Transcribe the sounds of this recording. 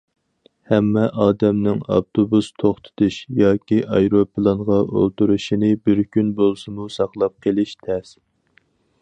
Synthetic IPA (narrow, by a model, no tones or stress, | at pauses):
hɛmːɛʔɑːd̪ɛmnɪŋɑ̰p̚t̪ʰobust̪ʰoχt̪ʰɨ̥t̪uʃjɑːkʲiʔɑjɾopʰɨlˠɑnʁɑʔo̰lˠt̪uɾuʃinɪbɪɾkʲynbolˠsɨmusɑχlˠɑp̚qʰəlˠɪʃt̪ʰɛs